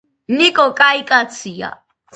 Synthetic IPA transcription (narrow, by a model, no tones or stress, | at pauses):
nikʼɔkʼaikʼat͡sʰia̰